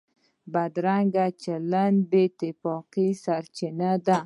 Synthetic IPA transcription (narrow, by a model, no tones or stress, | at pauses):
bad̪ɾaŋɡat͡ʃaland̪bet̪ɪfɔqisaɾt͡ʃɪnad̪a